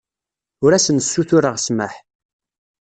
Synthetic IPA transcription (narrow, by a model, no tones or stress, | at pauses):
ʊɾæsənsːuθʊɾəʁsməħ